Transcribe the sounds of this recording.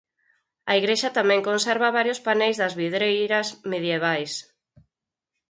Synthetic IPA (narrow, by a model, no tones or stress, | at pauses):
ɐiɣɾeʃɐt̪amɛ̃ŋkonsɛɾβɐβaɾjospanejzðɐzβiðɾejɾɐsmeðjeβ̞ajs